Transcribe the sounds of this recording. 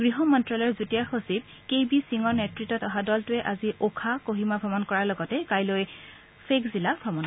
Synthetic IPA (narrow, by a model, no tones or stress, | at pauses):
ɡ̥ɹiɦɔmɔntɹalɔɹzutijaxosib̚ | kejbisiŋɔɹnetɹitɔtɔɦadɔltʊɛʔaziʔokʰakoɦimapʰɔmɔnkɔɹalɔɡɔtɛkajloj | fʰekzilapʰɔmɔn